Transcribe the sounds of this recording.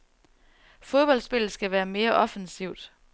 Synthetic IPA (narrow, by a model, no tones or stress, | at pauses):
fo̝ðˠb̥ɒ̽l̰sb̥e̝lð̩ˠsɡ̥æʋæːɐme̝ːɐʔɒ̽fənsiʊd̥